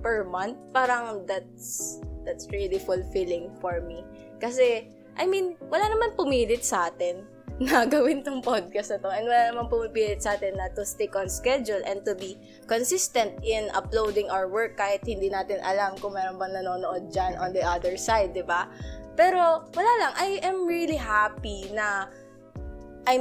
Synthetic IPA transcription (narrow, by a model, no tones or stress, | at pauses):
pɛɹmɐnt̪̚paːɾɐŋd̪at̪̚sd̪̥at̪sɹilifʊlfilɪŋfoɹmi | kɐsɛ | ʔɐjminwɐlaːnɐmanpʊmiːlɪt̪̚sɐʔaːt̪ɪnː | ɐɡɐwɪnt̪oŋpod̪̚kɐstnɐt̪oʔɛnwɐlanɐmanpʊmɪpiːlɪt̪̚sɐʔaːt̪ɪnːɐt̪ʊst̪ɪkʔɔnskɛd͡ʒʊlʔɛ̃nt̪ʊbi | konsɪst̪ɛ̃nt̪ʔɪnʔɐ̰plowd̪ɪ̃ŋʔawwɛɹkːaːhɪt̪̚hɪnd̪iːnaːt̪ɪnʔɐ̰lamkʊŋmɛːɾonbɐŋnɐnoːnoʔod̪̚d͡ʒanʔɔ̃nd̪iʔɐd̪ɛɹsajd̪̚ːɪbapɛːɾo̞wɐlaːlɐŋʔɐjʔɐmɹiliɦapinɐ | ʔaj